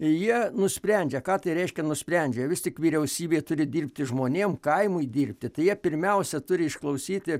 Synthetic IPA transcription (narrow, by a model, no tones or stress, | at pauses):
jiɛnʊsʲpʲɾʲɛnʲd͡ʒʲɛkɑːt̪ɐɪɾʲɛɪʃʲkʲɛnʊsʲpʲɾʲɛnʲd͡ʒʲɛʋʲɪstʲɪkʋʲiːɾʲɛʊsʲiːbʲeːt̪ʊɾʲɪd̪ʲiːrʲpʲt̪ʲɪʒmoːnʲeːmkɐɪmʊɪd̪ʲiːrʲpʲt̪ʲɪt̪ɐɪjiɛpʲɪɾʲmʲɛʊsʲɛt̪ʊɾʲɪɪʃklˠɐʊsʲiːt̪ʲɪ